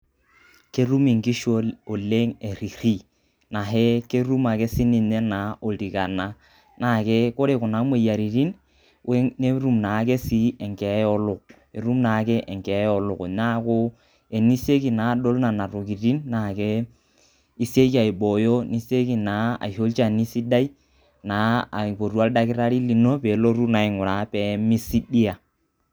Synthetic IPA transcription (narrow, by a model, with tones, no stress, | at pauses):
ke˦ɾu˦mi˨ŋki˦ʃo˦o˨le˦ŋe˨ɾi˨ɾi˦ | na˨ɦe˦ke˦ɾu˦ma˨ke˦si˦ni˦˨ne˦na˨˦o˨ɾi˨ka˨na˦ | na˨ke˦ko˦ɾe˨kʊ˨na˨˦me˦˨ja˨ɾi˨ɾi˦n | we˦ne˦ɾu˦˨mna˨˦ke˦si˦e˨ŋke˨˦ɔ˦lʊ˨k̚ | e˨ɾu˦mna˨˦ke˦ʔe˨ŋkɛ˨˦ɔ˦lʊ˨kna˦kʊ˦ | e˨ni˦se˦ki˨na˨˦˨do˦lna˨na˨ɾo˨ki˨ɾi˦nna˨ke˦ | i˦se˦ka˨i˨bo˨jo˦ni˦se˦ki˦˨na˨˦a̰˨ho˦lt͡ʃa˦˨ni˦si˦da˦i˦ | na˨˦a˨po˨ɾu˨˦a˦lda˦kɪ˦ɾa˦ɾi˦li˨no˦pe˨˦lo˦ɾu˦na˨ɪ˨ŋʊ˨ɾa˨pe˨˦mi˦si˦di˦a˨